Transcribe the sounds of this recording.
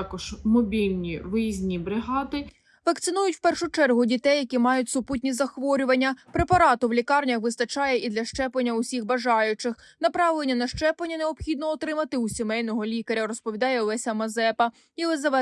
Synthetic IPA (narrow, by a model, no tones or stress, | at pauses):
ɑkɔʒ̥mɔbʲilʲnʲiʋɪzʲnʲibɾɪɦɑd̪ɪ | ʋɐkt̪sɪnujʊtʲwpɛrʃʊt͡ʃɛrɦʊdʲit̪ɛjːɐkʲimɑjʊtʲsʊputʲnʲizɐxʋɔɾʲʊʋɐnʲːɐpɾe̞pɐɾɑt̪ʊwlʲikɑrnʲɐxʋɪst̪ɐt͡ʃɑjɛʔid̪lʲɐʃt͡ʃɛplɐnʲːɐʊsʲixbɐʒɑjʊt͡ʃɪx | nɐpɾɑʋlˠenʲːɐnɐʃt͡ʃɛplɐnʲːɐneɔpxʲid̪nɔːt̪ɾɪmɐt̪ɪusʲɔmɛjnɔɦɔlʲikɐɾʲɐɾɔspɔʋʲid̪ɑjɛɔlˠɛsʲɐmɐzɛpɐ | ilˠɪzɐʋɛ